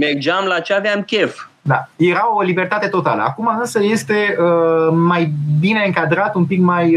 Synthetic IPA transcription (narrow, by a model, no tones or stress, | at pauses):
merd͡ʒamlat͡ʃeaveamkʲef | d̪aje̞ɾaolibe̞rt̪at̪e̞t̪o̞t̪a̰lə̰a̰kumaɨnsəje̞st̪e̞əmajbine̞ɨŋkad̪ɾat̪umpikmaj